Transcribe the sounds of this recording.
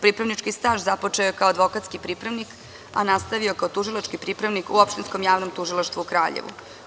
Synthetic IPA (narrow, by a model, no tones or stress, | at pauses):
pɾipɾaʋnit͡ʂkist̪aːʒzapo̞t͡ʂeokaoad̪ʋo̞kat̪skipɾipɾaʋnik | a̰nast̪aʋiokaot̪uʒilˠat͡ʃkipɾipɾaʋnikuopʃt̪insko̞mjaːʋnomt̪uʒilˠaʃt̪ʋuukɾaːʎḛʋṵ